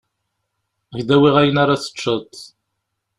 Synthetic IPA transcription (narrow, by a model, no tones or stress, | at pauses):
əʝd̪æwiʁæjənaɾaθə̥t͡ʃːət̪